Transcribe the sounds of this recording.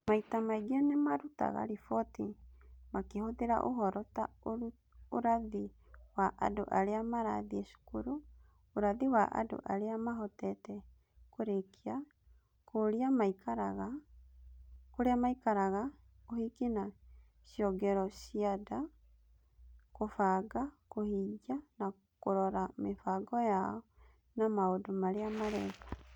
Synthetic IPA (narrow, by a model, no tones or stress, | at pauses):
maitamaiɡiɔnemaɾuta̰ɣa̰ɾifɔtimakehoðeɾa̰ʔo̰ɦɔɾɔtao | oɾaði | waʔa̰do̰ʔaɾeamaɾa̰ðiesu̥kuɾo | oɾaðiwaʔa̰do̰ʔaɾeamaɦɔtɛtɛ | koɾekʰia | koɾiamaikaɾaɣa | koɾeamaikaɾaɣa | ohikina | sjɔɡɛɾɔsiada | kofaɡakohiɟana | koɾɔɾamefaɡɔjaɔ | namaodomaɾeamaɾɛka